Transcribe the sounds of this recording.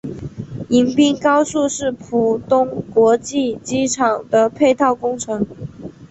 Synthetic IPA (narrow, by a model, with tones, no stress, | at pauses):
i˧˥ŋpi˥ŋkɑ˥ʊsu˥˧ʂɻ̩˥˩pʰu˨˩t̪ʊ˥ŋkwɔ˧˥t͡ɕi˥˩t͡ɕi˥ʈ͡ʂʰɑ˨˩ŋd̪ə˦pʰe˥˧ɪt̪ʰɑ˥˩ʊkʊ˥ŋʈ͡ʂʰɤ˧˥ŋ